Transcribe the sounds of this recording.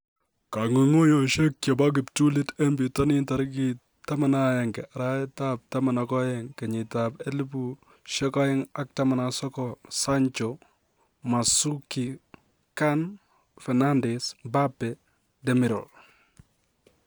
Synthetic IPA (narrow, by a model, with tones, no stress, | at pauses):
ka˨ŋu˨ŋo˦jo˨ʃe˦kkɔ˨ba˦ɡ̬ɪ˨ptu˦lɪ˦tɛ˦mbi˨tɔ˦nɪ˦nta˨ɾki˦ | ta˦ma˨na˦jɛ˨ŋɡɛ˨ʔa˨ɾa˦ɛ˦ta˦p̚ta˦ma˨na˨kɔ˦jɛ˦ŋkɛ˨ɲɪ˨ta˨pɛ˦li˦pu | ʃɛ˦kɔ˦jɛ˦ŋa˨k̚ta˦ma˨nasɔ˦kɔsa˦ɲt͡ʃo | ma˨su˦ki˨ | ka˦n | fɛ˨na˦ndɛsba˦pːɛ˨ | dɛmɪ˨ɾɔ̰˨ɾ